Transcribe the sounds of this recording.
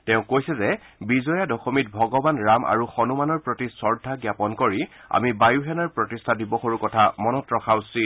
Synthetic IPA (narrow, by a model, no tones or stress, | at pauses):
tɛʊ̃kojsɛzɛ | bizɔjadɔxomit̚bʱɔɡɔbanɹamʔa̰ɹuxɔnumanɔɹpɹotisɔɹdʱaɡjapɔnkoɹi | a̰mibajuɦɛnaɹpɹɔtistʰadibɔxoɹukɔtʰamɔnɔtɹɔxawsi